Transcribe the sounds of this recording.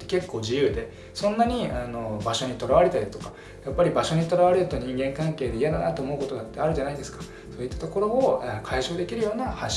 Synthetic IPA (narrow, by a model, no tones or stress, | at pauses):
eke̞kːo̞ːʑijɯ̟ːd̪e̞ | sõ̞nːaɲ̟iano̞baɕo̞ɲ̟it̪o̞ɾaβaɾe̞t̪aɾʲit̪o̞kḁ | japːaɾʲibaɕo̞ɲ̟it̪o̞ɾaβaɾe̞ɾɯ̟t̪o̞ɲ̟ĩŋɡẽ̞ŋkãŋke̞ːd̪e̞ijad̪anat̪o̞ːmo̞ɯko̞t̪o̞d̪at̪ːe̞aɾɯ̟ʑanaid̪e̞sɨ̥kḁ | so̞ːit̪ːḁt̪o̞ko̞ɾo̞ːkʰaiɕo̞ːd̪e̞kʲiɾɯ̟jo̞ːnahaɕ